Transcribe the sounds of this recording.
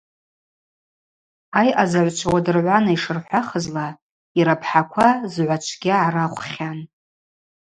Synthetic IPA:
ajazaʕʷt͡ʃʷʰʼawadɨrʕʷanaiʂɨrħʷaχəzla | iɾapʰħakʷʰazʕʷat͡ʃʷʰɡʲɪːɾaχʷχʲan

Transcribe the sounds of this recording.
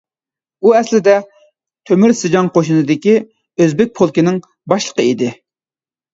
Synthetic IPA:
uɛslɪd̪ɛ | t̪ʰømyɾsɨd͡ʒɑŋqoʃunɨd̪ɪkʲi | øzbɪk̚ʲpʰolˠkʲinɪŋ | bɑʃlˠə̥qəid̪ɪ

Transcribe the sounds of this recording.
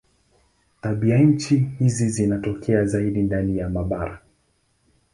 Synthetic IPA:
taɓiaɲ̩t͡ʃihizizinatɔkʰɛazaiɗindanijamaɓaɾa

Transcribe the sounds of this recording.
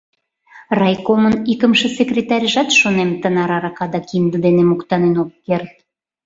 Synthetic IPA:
rɑjkomənikə̆mʃĕsekrʲet̪ɑɾʲʒɑt̪ʃonemt̪ə̆nɑɾɑɾɑkɑd̪ɑkind̪əd̪enemukt̪ɑnenokːert̪̚

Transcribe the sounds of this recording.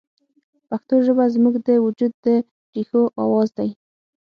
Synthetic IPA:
paxt̪oʒəbazmuɡd̪əwʊd͡ʒud̪ːə | d͡ʒixoʔɑwɑzd̪aj

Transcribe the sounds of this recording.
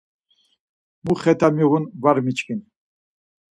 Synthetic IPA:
muχɛt̪ʰamiʁunvaɾmit͡ʃkin

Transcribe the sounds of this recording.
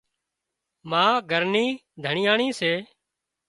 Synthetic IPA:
mãːɡʱəɾniːd̪ʱəɳiːaːɳiːseː

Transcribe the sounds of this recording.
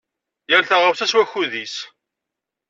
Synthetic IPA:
jælθəʁəfθæswæçuðis

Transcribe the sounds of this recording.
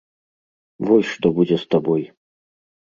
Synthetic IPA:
vɔsʲʂt̪ɔbud͡zʲɛst̪abɔj

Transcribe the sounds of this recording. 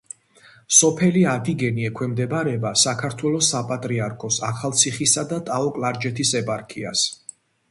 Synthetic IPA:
sɔpʰɛliad̪iɡɛniɛkʰwɛmd̪ɛbɾɛbasakʰaɾt̪ʰwɛlˠɔsapʼat̪ʼɾiaɾkʰɔsaχalˠt̪sʰiχisad̪at̪ʼaɔkʼlaɾd͡ʒɛt̪ʰisɛpʼaɾkʰia̰s

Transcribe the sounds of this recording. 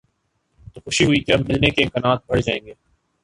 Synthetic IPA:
t̪oːxʊʃiɦʊikeɐbmɪlnekekɐnaːt̪̚bʱɐɽd͡ʒaːẽːŋɡeː

